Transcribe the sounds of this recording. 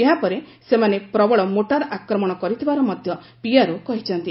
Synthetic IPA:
eɦapɔɾe | semanepɾɔbɔɭɔmoʈaɾʔakɾɔmɔɽ̃ɔkɔɾit̪ʰibaɾɔmɔd̪ʱjɔ | piaɾokɔɦit͡ʃʰɔnt̪i

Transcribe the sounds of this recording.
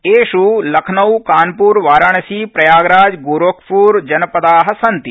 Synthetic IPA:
eːʃulɐkʰnɐwkaːnpuːɾʋaːɾaɳɐsiːpɾɐjaːɡɾaːd͡ʒɡoːɾoːkʰpuːɾd͡ʒɐnɐpɐd̪aːɦɐ̆sɐnt̪i

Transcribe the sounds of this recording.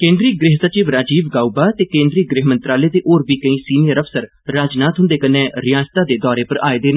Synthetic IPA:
kẽːnd̪ɾiːɡɾɪɦsət͡ʃiːʋɾaːd͡ʒiːʋɡaːubaːt̪eːkẽːnd̪ɾiːɡɾɪɦmə̃nt̪ɾaːleːt̪eːʔoːɾbiːkəĩːsiːnijəɾəfsəɾ | ɾaːd͡ʒnaːt̪ɦʊ̃nd̪eːkənːẽːɾɪjaːd͡ʒt̪aːd̪eːd̪ɔːɾeːpəɾa̰ːeːd̪eːnː

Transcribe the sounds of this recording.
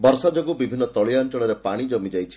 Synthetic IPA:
bɔɾsad͡ʒɔɡubibʱinːɔt̪ɔɭiant͡ʃɔɭɔɾepaɽ̃id͡ʒɔmid͡ʒajt͡ʃʰi̥

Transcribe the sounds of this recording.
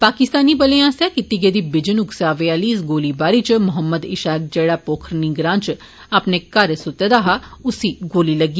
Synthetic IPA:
paːkɪst̪aːnibəleãːsɛːkɪt̪iɡed̪ibɪd͡ʒənʊksaːʋeaːliːs̬ɡoːlibaːɾiːt͡ʃmʊɦəmːəd̪ɪʃaːk̚d͡ʒeːɽaːpoːkʰɾnĩɡɾãːnt͡ʃ | ɐpnekəɾsʊt̪ed̪aːɦaʊsiːɡoːlilɐɡi

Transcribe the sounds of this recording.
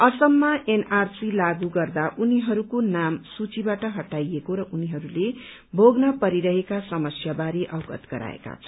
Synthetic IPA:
ʌsʌmːaʔenarsilaɡuɡʌrd̪aʔuniɦʌɾukonamsut͡sibaʈʌɦʌʈajekoɾʌʔuniɦʌɾule | bʱoɡnʌpʌɾiɾʌɦekasʌmʌsjabaɾiʔʌwɡʌ̰t̪ɡ̥ʌɾa̰ḛka̰t͡sʰʌ

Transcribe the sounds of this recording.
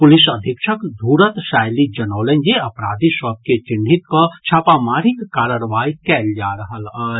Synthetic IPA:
pʊlɪsɐd̪ʱɪkʃəkd̪ʱuːɾət̪ʃaːjlid͡ʒɐnoːlənd͡ʒeɐpɾaːd̪ʱisɐb̚ket͡ʃɪɳɖʱit̪kot͡ʃʰaːpamaːɾikkaːɾəɾʋaːjkɛːld͡ʒaːɾɐɦal

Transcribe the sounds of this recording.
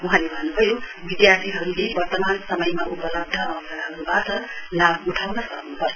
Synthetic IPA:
uɦãlebʱʌnubʱʌjobid̪jart̪iɦʌɾulebʌrt̪ʌmansʌmʌjmaʔupʌlʌb̚d̪ʱʌːsaɦʌɾubatʌlabuʈʰawnʌsʌknupʌ

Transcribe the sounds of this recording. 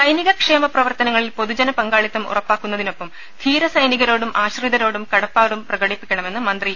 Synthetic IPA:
sɐjniɣɐkʂe̞ːmɐprɐʋɐrt̪ɐnɐŋːɐɭilpo̞ðud͡ʑɐnɐpɐŋɡaːɭit̪ːɐmṵrɐpːaːkːunːɐðino̞pːɐm | t̪ʰiːɾɐsɐjniɣɐɾo̞ːɽumʔaːɕriðɐɾo̞ːɽumkɐɽɐpːaːɽumprɐɣɐɽipːikʲːɐɳɐme̞nːɨmɐnd̪ri

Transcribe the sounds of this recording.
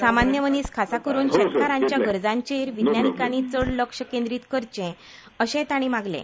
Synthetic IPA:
samanjəməniːskʰasakəɾuːnɕet̪kaɾãɲt͡ɕjaɡʱəɾd͡zãɲt͡ɕeɾʋid̪njanikaɽ̃it͡səɽləkʂəkẽnd̪ɾiːt̪kəɾt͡ɕẽ | əɕɛ̃t̪aɽ̃imaɡlḛ̃

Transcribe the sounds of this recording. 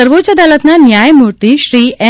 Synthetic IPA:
əɾʋot͡ʃəd̪alət̪nanjajmuɾt̪iːɕɾiːʔɛ

